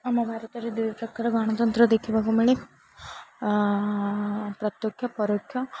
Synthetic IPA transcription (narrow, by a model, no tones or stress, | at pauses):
ɐmːɐbʱaːɾɐt̪ɐɾid̪ipɾɐkaːɾɐɡaːɳɐt̪ɐnt̪ɾɐd̪ekʰːibaɡɐmɐɭe | pɾɐt̪jokʰjɐpɐɾokʰjɐ